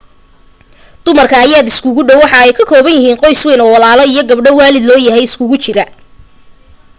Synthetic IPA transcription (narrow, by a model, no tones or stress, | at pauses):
d̪̥ʊmɐrkʰɐːjaːd̪ɪskʰʊɣʊɖɔwːɑħɑɛjkʰɐkʰɔːβɐnjɪɦiːnqɔjswɛːnɔːwɑlaːlɔijɞɡɐbɖɔwaːlɪd̪lɔːjɐɦɛjɪskʰʊɣʊt͡ʃɪɾɐ